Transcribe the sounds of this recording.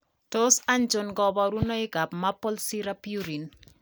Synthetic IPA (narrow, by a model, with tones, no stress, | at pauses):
tosand͡ʒonɡɔbɔɾu˦nɔ˦ɪ˦ɡa˨pmapːo˦lsiɾa˦pju˦ɾi˨n